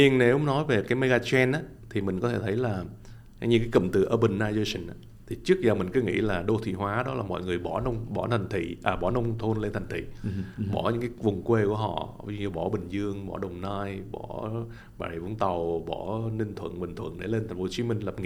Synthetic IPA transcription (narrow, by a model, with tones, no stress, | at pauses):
ɲi˧əŋne˨˦whʊ˨˦ŋ͡mnɔ˨˦jve˨˩kaː˨˦jme˧ɣaː˧t͡ɕɛ˧nʔaː˨˦ | t̪ʰi˨˩mï˨˩ŋ̟kɔ˨˦t̪ʰe˧˩t̪ʰə˨˦jlaː˨˩˧ | ɲɨ˧˩kaː˨˦kə̰˧˨mt̪ɨ̰˧˨˩ʔəː˧ɓə˧˨nːaː˧jzə˧sə˧˩nʔaː˨˦ | t̪ʰi˨˩t͡ɕɨ˦˥ək̚zaː˨˩mï˨˩ŋ̟kɨ˨˦ŋḭ˧˥laː˨˩ɗo˧t̪ʰḭ˧˨ɦwaː˨˦ɗɔ˨˦laː˨˩mɔ̰˧˨jŋɨ˨˩əjɓɔ˧˩nə˧wŋ͡mɓɔ˧˩t̪ʰa˨˩ŋ̟t̪ʰḭ˧˨ʔaː˨˩ɓɔ˧˩nə˧wŋ͡mt̪ʰo˧nle˧nt̪ʰa˨˩ŋ̟t̪ʰḭ˧˨ɓɔ˧˩ɲɨ̰˧˥ŋkaː˨˦vʊ˨˩ŋ͡mkwe˧ku˧˩əɦɔ̰˧˨˧ɲɨ˧ɓɔ˧˩ɓï˨˩ŋ̟zɨ˧əŋɓɔ˧˩ɗə˨˩wŋ͡mnaː˧jɓɔ˧˩˦ | ɓaː˨˩ɗə˨˩və̰˧˥˦nt̪a˨˩wɓɔ˧˩nï˧ŋt̪ʰwə̰˧˨nɓï˨˩ŋ̟t̪ʰwə̰˧˨nɗe˧˩le˧nt̪ʰa˨˩ŋ̟fo˨˦t͡ɕi˨˦mï˧ŋ̟lə˨˩p̚ŋḭ˧˨